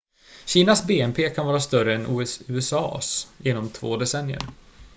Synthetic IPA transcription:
ɕiːnasbeːɛmpʰeːkʰanvɑːɾast̪œɾəɛnʔuːɛʉ̟ːɛsɑ̰ːsjɪnɔmt̪ʰvo̰ːd̪ɛsɛnjə̰ɾ

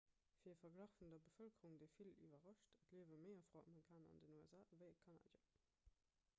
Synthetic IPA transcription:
fiːɐəfɐɡlaχfundɐbəfəlkəʁuŋdəɪfilḭvɐʁɑʃtʰətliəvəməɪɐfʁoɑmɛkʰaːnɑ̰ndənuɛzaːvəɪəkʰɑna̰ːda̰

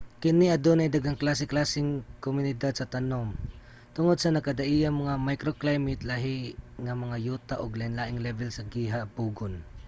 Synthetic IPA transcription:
kɪnɪʔɐd̪onajd̪aɡaŋklaːsɪklaːsɪŋkomʊnɪd̪ad̪̚sɐt̪ɐnom | t̪ʊŋod̪̚sɐnɐkɐd̪aʔijamɐŋamajkɾoklajmɪt̪laɦɪŋamɐŋajuːt̪aʔoɡlaɪnlaːʔɪŋlɛvɛlsɐɡiɦapuːɡʊn

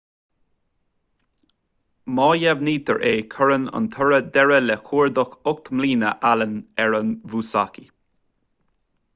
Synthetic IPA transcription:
mɑːjavniːt̪ʰəɹʔeːkʰəɹənə̰nt̪ʰəɹəd̪ɛɹəlɛkʰuːɹd̪ɔxʊk̚t̪ʰmliːnə̰ʔalənɛɹənvuːsa̰ki

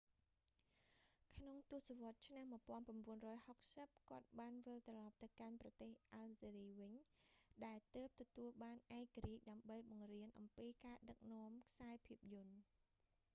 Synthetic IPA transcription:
kʰnoŋt̪ʊ̆əhsaʋŏət̪̚t͡ɕʰnammuəjpŏənpramɓuənrɔːjhok̚səp̚kŏət̪̚ɓaːnʋɨlt̪rɑlɑp̚t̪ɨwkanprɑt̪eːhʔalzeːɾiːʋɨɲɗaɛlt̪əːp̚t̪ɔt̪uəlɓaːnʔaɛk̚ːaɾiəc̚ɗaəmɓəjɓɑŋriənʔɑmpiːkaːɗək̚nŏəmkʰsaɛpʰiəp̚jʊ̆ən

